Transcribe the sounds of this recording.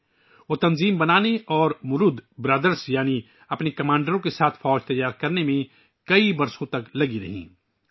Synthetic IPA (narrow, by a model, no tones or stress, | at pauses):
ʋoːt̪ɐnziːmbɐnaːneʔɔːɾmʊɾʊd̪bɾaːd̪əɾsjaːni | ɐpnekɐmãːɳɖəɾõkesaːt̪ʰfɔːd͡ʒt̪ɐjaːɾkɐɾnemẽ | kɐibɐɾsõt̪ɐklɐɡiɾɐ̰ɦḭ̃ː